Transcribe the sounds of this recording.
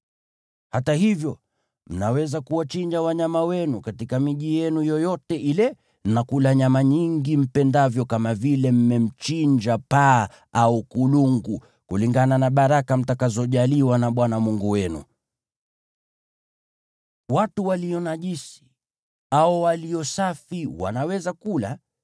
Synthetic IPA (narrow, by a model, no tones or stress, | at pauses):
hatahivjɔ | m̩nawɛzakuwat͡ʃiɲd͡ʒawaɲamawɛnukatikamiʄijɛnujɔjɔtɛʔilɛ | nakulaɲamaɲiŋɡim̩pɛndavjɔkamavilɛm̩mɛm̩t͡ʃiɲd͡ʒapa | aukuluŋɡu | kuliŋɡananaɓaɾakam̩takazɔʄaliwanaɓwanamuŋɡuwɛnṵ | watuwalijɔnaʄisi̥ | aɔwaliɔsafiwa̰nawɛzakula